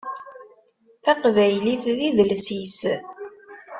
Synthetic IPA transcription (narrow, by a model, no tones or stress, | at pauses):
θɑqvæjliθðiðəlsis